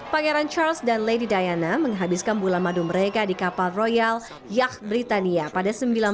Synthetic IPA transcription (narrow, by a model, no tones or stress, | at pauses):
paŋaɾant͡ʃalsdanledidajanaməŋɦabɪskanbulanmaduməɾekadikapalrojal | jak̚bɾit̪aniapadasəmbilan